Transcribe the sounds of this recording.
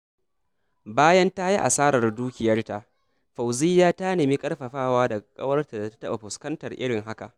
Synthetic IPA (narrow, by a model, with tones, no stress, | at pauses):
baː˦jɐ˦nta˦ji˦ʔa̰˨saː˦ɾɐ˨rduː˦kʲɪ˨jɐ˦rta˨ʔ | ɸa˨wziː˦jaː˦ta˦neː˨mi˦kʼɐ˦rɸɐ˨ɸaː˦˨waː˦da˨kʼɐ̰˦wɐ˦rta˨da˨tḁ˦tɐ˦ɓa˨ɸʊ˨skɐ˦ntɐ˨rʔɪ˦ɽɪ˨ŋɦa˦ka̰˨ʔ